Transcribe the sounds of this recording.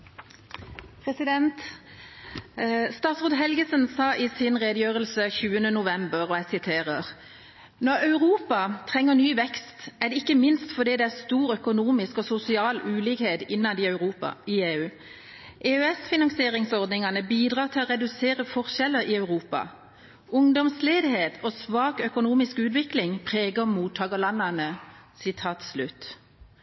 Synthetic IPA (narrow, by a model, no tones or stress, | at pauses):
pʰʁɛsɪd̪ɛnt̪ | st̪ɑːt̪sʁoːd̪ɦɛlɡəsənsɑːʔɪsɪnʁeːd̪jøːʁəlsəçʉːənənʊʋɛmbəʁɔæɪsɪt̪ʰeːʁəʁ | nɔʁɑʉʁuːpɑt̪ʰʁɛŋːəʁnyːʋɛkst̪æd̪ɛɪkːəmɪnst̪fɔd̪iːd̪ɛæʁst̪uːɾœkʊnuːmɪskɔsʊsɪɑːlʉːlɪːkheːd̪ɪnːɑd̪ɪɑʉʁuːpɑ̰ɪeːʉː | ʔeːœɛsfɪnɑŋsɪeːʁɪŋsɔʁd̪nɪŋɑnəbiːd̪ʁɑːʁt̪ʰɪlɔʁɛd̪ʉseːʁəfɔʁʃɛlːəɾɪɑʉʁuːpɑ̰ | ʊŋd̪ɔmsleːd̪ɪheːt̪ɔsʋɑːkœkʊnuːmɪskʉːt̪ʋɪklɪŋpʰʁeːɡəmuːt̪ʰːɑːɡəlɑnːɑnəsɪt̪ʰɑːt̪slʉt̪